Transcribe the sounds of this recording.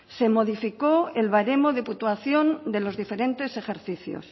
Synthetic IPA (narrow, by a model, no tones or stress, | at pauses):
se̞mo̞ð̞ifikoelβaɾe̞moðe̞put̪waθjo̞nd̪e̞lo̞zðife̞ɾe̞nt̪e̞se̞xe̞ɾθiθjo̰s